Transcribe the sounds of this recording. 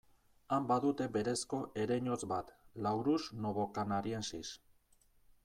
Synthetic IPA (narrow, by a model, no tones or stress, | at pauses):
ambaðut̪e̞be̞ɾe̞sko̞ʔe̞ɾeɲo̞t͡sbat̪lawɾusno̞βo̞kanaɾiensis